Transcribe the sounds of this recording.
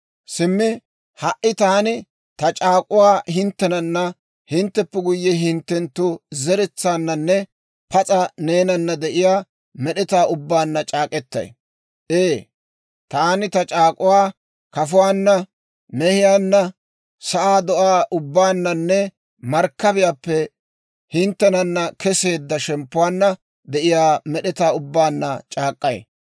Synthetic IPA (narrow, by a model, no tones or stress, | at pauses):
sɪmːɪ | hɐʔːɪt̪aːnɪ | t̪ɐt͡ʃʼaːkʼʊwaːhɪnt̪ːɛnɐnːɐ | hɪnt̪ːɛpːɛɡʊjːɛɦɪnt̪ːɛnt̪ːʊzɛɾɛt͡sːaːnːɐnːɛ | pɐt͡sʼɐne̞ːnɐnːɐd̪ɛʔɪjaː | mɛɗɛt̪aːʊbːaːnːɐt͡ʃʼaːkʼɛt̪ːɐ̰j | ʔeː | t̪aːnɪt̪ɐt͡ʃʼaːkʼʊwaː | kɐfʊwaːnːɐ | mɛhɪjaːnːɐ | sɐʔaːd̪ɔʔaːʔʊbːaːnːɐnːɛ | mɐɾkːɐbɪjaːpːɛ | hɪnt̪ːɛnɐnːɐkʰɛse̞ːd̪ːɐʃɛmpːʊwaːnːɐ | d̪ɛʔɪjaːmɛɗɛt̪aːʊbːaːnːɐt͡ʃʼaːkʼːɐj̰